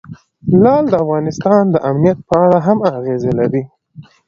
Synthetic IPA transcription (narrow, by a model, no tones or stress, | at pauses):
lɑld̪əafɣɑnɪst̪ɑnd̪əʔamnijat̪̚pəaɽaɦamaɣezelawi